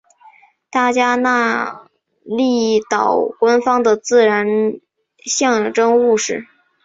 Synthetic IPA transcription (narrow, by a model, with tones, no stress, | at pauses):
t̪a˥˩t͡ɕja˥na˥˧ | li˥˩t̪ɑ˨˩ʊkwa˥nfɑ˥ŋd̪ə˨t͡sɹ̩˥˩ɻa˧˥n | ɕjɑ˥˩ŋʈ͡ʂɤ˥ŋu˥˧ʂɻ̩˥˩